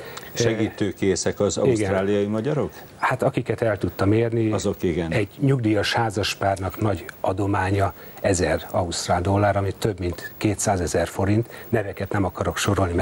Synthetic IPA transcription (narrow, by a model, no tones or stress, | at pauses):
ʃɛɡiːt̪øːkeːsɛkɒzɒ̰uisɡɛɾaːlijɒjimɒɟɒɾo̞k | hat̪ɒkikɛt̪ɛlt̪ut̪ːɒmeːrniɒzokiɡɛnɛɟɲuɡd̪iːjɒʃhaːzɒʃpaːrnɒknɒɟɒd̪o̞maːɲɒ | ɛzɛrɒust̪raːld̪o̞lːaːɾɒmit̪ːø̞bmint̪keːt̪saːzɛzɛrfo̞ɾint̪nɛvɛkɛt̪nɛmɒkɒɾo̞kʃo̞ɾo̞lni